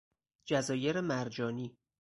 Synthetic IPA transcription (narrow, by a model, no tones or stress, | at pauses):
d͡ʒæzɒːjeɾemæɾd͡ʒɒːniː